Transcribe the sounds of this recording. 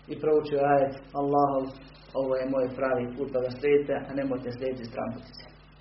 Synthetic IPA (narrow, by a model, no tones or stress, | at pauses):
ipɾout͡ʃioaːjet̪alˠːɑːɦoʋ | oʋoːjemoːjpɾaːʋiːpuːt̪̚bad̪asɾʲeːt̪eʔanemojt̪esɾʲeːit̪ist̪ɾa̰mpot̪i̥t̪se̥